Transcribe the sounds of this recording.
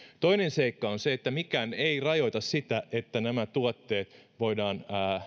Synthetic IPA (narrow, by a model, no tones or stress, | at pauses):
t̪o̞inenseikːɑonseet̪ːæmikæːneirɑjo̞it̪ɑssit̪æʔet̪ːænæmæt̪uɑt̪ːeːt̪ʋo̞idɑːnː